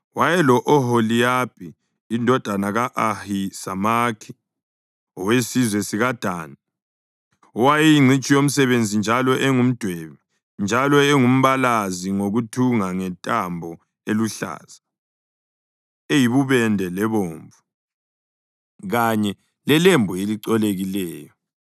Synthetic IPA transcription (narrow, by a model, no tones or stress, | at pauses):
wajɛlɔʔɔɦolijab̥̚ʰʱʼiː | ndʱɔd̥ʱanaɣaʔahisamakʰi̥ | ɔwesizwɛsiɣad̥ʱaːna | ɔwajijiŋ͡ǀʱit͡ʃʼijom̩sɛβend͡zʱind͡ʒʱalɔʔeŋum̩d̥ʱweβi | nd͡ʒʱalɔeŋum̩βalaziŋoɣutʰuŋaŋɛntʼambʱɔ | eluɬa̰ːz̥a | ejiβuβɛndʱɛlɛβoːɱvu | ɣaɲɛ | lɛlembʱueliǀɔleɣilɛːjɔ